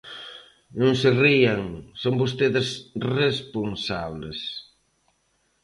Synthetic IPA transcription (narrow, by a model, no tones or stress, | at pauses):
nõŋserieŋsombos̬t̪eðɪsresponsaβles